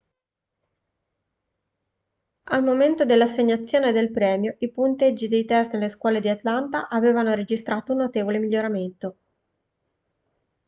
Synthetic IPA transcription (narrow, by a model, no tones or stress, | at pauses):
almoment̪od̪elːasːeɲːat̪sːjoːned̪elpɾɛːmjoʔipunt̪ed͡ʒːid̪ejt̪ɛst̪nelːeskwɔːled̪iat̪lant̪aʔaveːvanoɾed͡ʒist̪ɾaːt̪ounːot̪eːvolemiʎːoɾament̪o